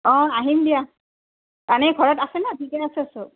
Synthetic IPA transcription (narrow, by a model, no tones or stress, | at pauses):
ɔ̃aɦimdia | kanɛɡʱɔɹɔtasɛnɛtʰikɛasɛasʊ